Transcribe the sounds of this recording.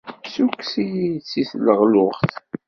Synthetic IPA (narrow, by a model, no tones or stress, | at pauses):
suksijit͡sːiθləʁlʊʁθ